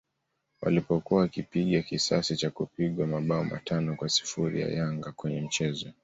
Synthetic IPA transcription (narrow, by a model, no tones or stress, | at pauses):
wa̰lipɔkuwawakipiɠakisasit͡ʃakupiɠwamaɓaɔma̰tʰanɔkwasi̥fuɾḭja̰jaŋɡakwɛɲɛm̩t͡ʃɛzɔ